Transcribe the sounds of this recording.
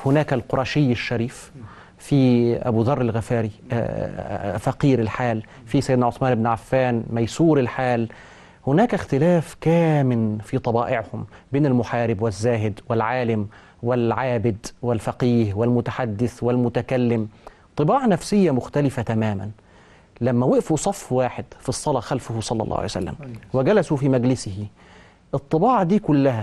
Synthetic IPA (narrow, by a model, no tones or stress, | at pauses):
hʊnaːkalqʊɾˤɑʃɪjːɪʃːaɾiːf | fiʔa̰buːðɑrˤːɪlɣafaːɾḭ | faqiːɾɪlħaːl | fisajɪd̪naʕʊθmaːnʔɪbnʕafːaːnmajsuːɾɪlħaːl | hʊnæːkaxt̪ɪlaːfkæːmɪnfit̪ˤɑbɑːʔɪʕhʊmbeːnalmʊħaːɾɪbwɪzːaːɦɪd̪wɪlʕaːlɪm | wɪlʕaːbɪd̪wɪlfaqiːɦwɪlmʊt̪aħad̪ːɪθwɪlmʊt̪ækælːɪm | t̪ˤːɨbɑːʕnæfsɪjːamʊxt̪ælɪfat̪æmæːmæ̰n | læmːæwɪʔfusˤɑfːwaːħɪd̪fisˤːɑlɑxælfʊhsˤɑlːɑ̰lːˤɑ̰hʕ̰j̰sæ̰lːæ̰mwɪɡælæsufimæɡlɪsɪhi | ʔɨt̪ˤːɨbɑːʕd̪iːkʊlːæhæ